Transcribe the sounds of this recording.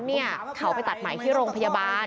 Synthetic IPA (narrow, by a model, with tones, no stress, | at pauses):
ni˥˩ɐkʰa˦wpa˧jt̪a˨˩t̪̚ma˨˩˦t̪ʰiː˥˩ɾoː˧ŋpʰa˧jaː˧baː˧